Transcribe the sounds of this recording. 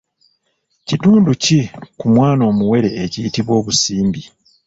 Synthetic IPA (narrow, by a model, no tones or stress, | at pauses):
cituːnducikumwaːno̞ːmuwe̞ɾe̞ːcijitiβwo̞ːβusiːmbi